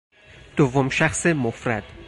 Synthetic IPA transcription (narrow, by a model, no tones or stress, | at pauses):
d̪̥ovːomʃæxsemofɾæd̪̥